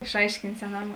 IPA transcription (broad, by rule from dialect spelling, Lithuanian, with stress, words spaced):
ɪʃˈɐɪʃʲkʲɪnʲtʲ sʲɛˈnɐm